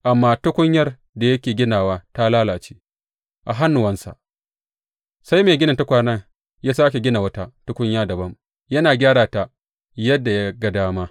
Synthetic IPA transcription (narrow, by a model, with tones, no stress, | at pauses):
ʔa˨mːaː˦tʊ˦kʷʊ˦ɲjɐ˦r | da˨jɐ˦kʲeː˨ɡʲɪ˦naː˨waː˦ta˦laː˦laː˨t͡ʃi̥ː˦ | ʔa˨ɦa˦nːʊ˨wɐ˦nsa̰˨ʔ | sa˦jmeː˨ɡʲɪ˦nɐ˨nta˦kʷaː˦nɐ˦ŋ | jaː˦saː˦k̬ʲe˨ɡʲɪ˦na˨wɐ˦ta˦tʊ˦kʷʊ˦ɲjaː˦dɐ˨bɐ˦m | jɐ˦naː˨ɡʲaː˦ɽaː˨ta˨ | jɐ˦dːa˨ja˦ɡɐ˦daː˦maː˦